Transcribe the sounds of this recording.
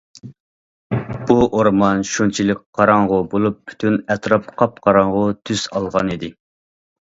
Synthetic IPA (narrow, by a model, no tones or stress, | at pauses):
b̥uʔoɾmɑnʃunt͡ʃʰilˠɨkqʰːɑɾɑŋʁʊbolˠup̚ːʰy̥t̪ʰynɛt̪ʰɾɑpqʰɑp̚qʰɑɾɑɴʁʊt̪ʰyz̥ɑlˠʁɑnid̪ɪ